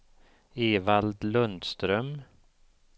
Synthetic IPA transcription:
eːvald̪lɵnd̪st̪ɾœm

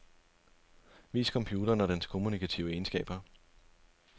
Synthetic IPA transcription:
ʋḭːskʰɒ̽mpʰjuːd̥ɐːnɒɾ̥enskʰo̝munikʰæt͡sʰḭʊəe̝nsɡ̥ɛ̰ːb̥ɐ

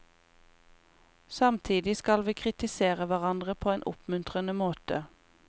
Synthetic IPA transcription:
sɑmt̪ʰiːd̪ɪskɑlʋiːkʰʁɪt̪ɪseːʁəʋæʁɑnd̪ʁəpʰoːeːnʔʊ̰pmʉnt̪ʁənəmoːt̪ə

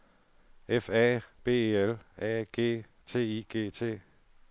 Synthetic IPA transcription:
efɛːb̥e̝̰ːelɛ̰ːɡ̥e̝̰ː | t͡sʰe̝̰ːiːɡ̥e̝̰ːt͡sʰe̝̰ː

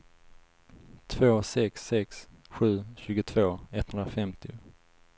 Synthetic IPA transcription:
t̪ʰvoːsɛksːɛksɧʉ̟ːɕʉ̟ːɡʊt̪ʰv̥oːɛt̪hɵnɾafɛmt̪ɪʊ

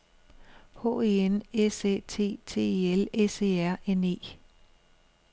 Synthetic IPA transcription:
hɔ̰ːe̝enesḛːt͡sʰe̝̰ːt͡sʰe̝̰ːelese̝̰ːæɐ̰ene̝̰ː

